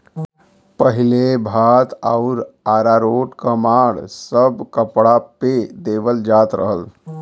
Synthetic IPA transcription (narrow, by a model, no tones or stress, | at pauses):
pəɦilebʱat̪aʊɾaɾaɾoʈkəmaːɽsəbkəpɽaped̪eːʋəld͡ʒat̪ɾə̰ɦəl